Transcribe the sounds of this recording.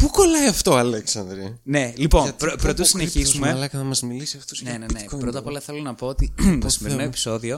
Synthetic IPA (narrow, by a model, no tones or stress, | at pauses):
pukolɐjɐft̪o̞ɐleksɐnd̪ɾine̞lipo̞npɾopɾot̪t̪osineçisumelɐkɐnɐmɐzmilisiɐft̪osnenenepɾot̪ɐpolɐθe̞lo̞nɐpo̞ot̪it̪osimeɾinoepi̥so̞ðio̞